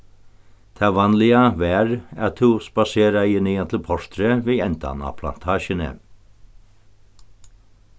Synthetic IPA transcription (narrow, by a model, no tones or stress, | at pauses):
t̪ʰæːʋɑnlɪɑʋæːɾæt̪ʰuːsbɑseːɾɑɪəniɑt̪ʰl̩pʰɔʃt̪ɾəʋeːɛnd̪ɑ̰nɑ̰ːpʰlɑ̰nt̪ʰɑːʃənə̰